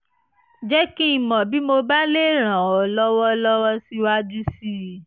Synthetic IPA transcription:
d͡ʒɛ˦kĩ˦i˧˨mɔ̃˨bi˨˦mo˧ba˦le˦˨ɾ̃ã˨ɔ˨lɔ˦wɔ˦lɔ˦wɔ˦si˦wa˦d͡ʒu˦si˦˨

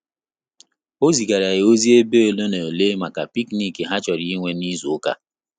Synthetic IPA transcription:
o˦zi˨ɡa˨ɾa˨ɪ˨o˦zi˦e˦be˦o˨lo˦ne˨o˨le˦ma˨ka˨pi˦kni˦ki˨ɦa˦t͡ʃɔ˨ɾi˦ŋʷe˦ni˦zu˨o˦ka̰˦

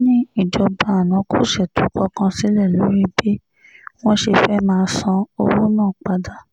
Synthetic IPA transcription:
nĩ˦i˦˨d͡ʒɔ˧ba˧a˨nã˨˦kʰu˦˨ʃɛ˦˨tu˨˦kɔ˦kã˧si˨˦lɛ˦˨lo˨˦ɾi˦bi˦ | w̃ɔ̃˦ʃe˧fɛ˦mãː˧sã˧o˧wu˦nãː˦˨k͡pa˧da˨

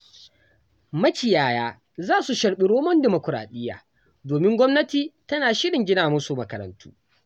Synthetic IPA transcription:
mɐ˦kʲɪ˨jaː˨jaː˦ | zaː˦su˨ʃɐ˨ɽɓɪ˨ɽoː˦mɔ˦ndɪ˨mo˨kʷʊ˨ɾa̰ː˨ɗɪ˦jːa̰ː˨ | doː˨mɪ˦ŋɡʷɔ˦mnɐ˦tiː˨tɐ˦naː˨ʃɪ˦ɽɪ˨ŋɡʲɪ˦naː˨mʊ˦su˨mɐ˨kɐ˨ɾɐ̰˨ntṵː˦

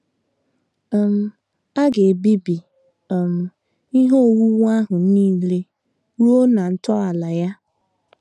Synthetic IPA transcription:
m̩˨ | a˦ɡe˨bi˦bi˨ | m̩˨ | i˦ɦo˦o˨wu˦wa˦ɦʊ˨niː˦le˦ | ɾu˦o˦na˨n̩˦tɔ˦a˨la˨ja˦

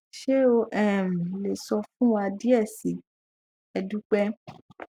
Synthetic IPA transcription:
ʃe˦o˧ʔɛ˦˨mĩ˨le˨sɔ˧fũ˦wa˧di˦ɛ˦˨si˨˦ | ɛ˧dũ˦k͡pɛ˦

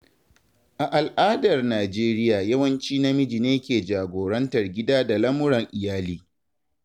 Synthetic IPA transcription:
ʔa˨ʔa˨lʔaː˦dɐ˨rnaː˨d͡ʒeː˦ɾɪ˦jaː˨jɐ˦wɐ˦nt͡ʃiː˦na˦mɪ˦d͡ʒi˨neː˦kʲeː˨d͡ʒaː˨ɡʷoː˨ɾɐ˦ntɐ˨rɡʲɪ˦daː˦da˨lɐ˦mʊ˦ɽɐ˨ŋʔɪ˨jaː˦liː˦

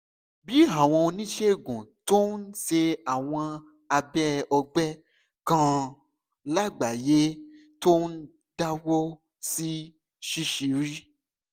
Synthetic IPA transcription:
bi˨˦a˨w̃ɔ̃˧o˧nĩ˦ʃe˦˨ɡũ˨to˦n̩˦ʃe˧a˨w̃ɔ̃˧ | a˧bɛ˦ɔ˧ɡ͡bɛ˦ | kã˦ | la˦˨ɡ͡ba˨je˦ | to˦n̩˦ | da˦wɔ˦ | si˦ | ʃi˦ʃi˨˦ɾi˦

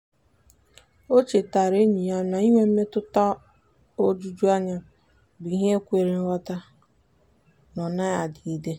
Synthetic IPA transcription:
o˦t͡ʃe˨ta˨ɾe˦ɲi˨ja˦na˨i˦ŋʷe˦m̩˦me˦tʊ˦ta˦ | o˦d͡ʒu˦d͡ʒu˦a˦ɲa˦ | bʊ˨i˦ɦe˦e˦kʷe˨ɾe˨n̩˦ɾɔ˦ta˦ | nɔ˨na˦ja˨dɪ˨i˦de˦

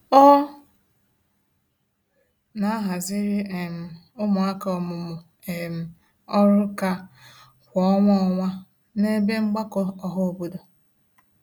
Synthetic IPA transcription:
ɔ˦ | na˨˦ɦa˨zɪ˦ɾi˦e˨m̩˨ | ʊ˦mʊ˨a˦ka˨˦ɔ˨mʊ˨mʊ˨ | e˨m̩˨ | ɔ˦ɾʊ˦ka˦ | kʷɔ˨˦ŋʷɔ˦ɔ˨ŋʷa˦ | ne˦be˦ŋ͡m̩˦ɡ͡ba˦kɔ˦ɔ˦ɦɔ˦o˨bu˨do˨

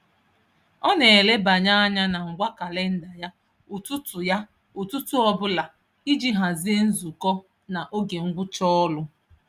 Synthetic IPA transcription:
ɔ˦ne˨le˦ba˨ɲa˦a˦ɲa˦na˨ŋ̩˨ɡʷa˦ka˨le˦n̩˦da˨ja˦ | u˨tu˦tʊ˨ja˦ | u˨tu˦tu˦ɔ˦bʊ˦la˨ | i˦d͡ʒi˦ɦa˨zi˦e˦n̩˦zu˨kɔ˦ | na˨ʔo˦ɡe˨ŋ̩˦ɡʷʊ˦t͡ʃɔ˦ɔ˦lʊ˦

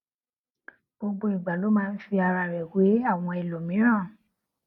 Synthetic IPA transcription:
b̥o˧ɡ͡bo˧ĩ˨ɡ͡ba˨lo˨˦mãː˦˧n̩˦fi˧a˧ɾa˧ɾɛ˨we˨˦a˦˨w̃ɔ̃˧i˨lo˨mĩ˨˦ɾ̃ã˦˨

